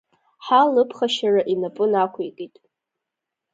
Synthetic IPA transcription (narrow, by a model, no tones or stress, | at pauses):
ħalɨpʰχaʃaraʔinapʼʊnakʷʰekʼitʼ